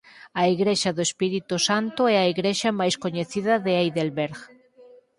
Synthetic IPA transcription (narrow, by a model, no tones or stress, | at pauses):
aiɣɾeʃaðoespiɾit̪usant̪oɛaiɣɾeʃamajskoɲeθiðaðeajðelβeɾɣ